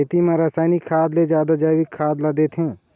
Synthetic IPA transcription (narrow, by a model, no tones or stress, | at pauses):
t̪imɐ̃ɾaːsaːɪnɪkʰːaːd̪led͡ʒjaːd̪ad͡ʒaːʋɪkʰːaːd̪lad̪eːt̪ʰɦẽː